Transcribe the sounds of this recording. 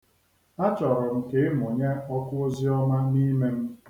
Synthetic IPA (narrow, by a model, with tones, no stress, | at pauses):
a˦t͡ʃɔ˨ɾɔ˨m̩˦ke˨˦e˦m˨o˨ɲe˦ɔ˦kʊ˦o˦zi˦ɔ˦ma˦ni˦me˦m̩˦